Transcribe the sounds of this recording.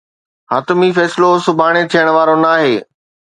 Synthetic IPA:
ɦaːt̪ʊmifɛːsɪlosʊbʱaːɽ̃et̪ʰijəɽ̃ʊʋaːɾonaːɦeː

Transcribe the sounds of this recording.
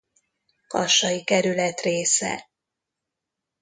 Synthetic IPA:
kɒʃɒjikɛɾylɛt̪reːsɛ̰

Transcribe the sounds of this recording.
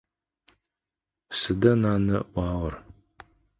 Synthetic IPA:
sɨdɐnaːnɐwʷɑːʁɐr

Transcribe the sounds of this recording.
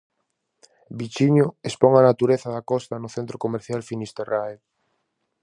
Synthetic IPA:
bit͡ʃiɲʊespɔŋanat̪uɾeθaðakɔst̪anʊθent̪ɾokomeɾθjalfinist̪erae

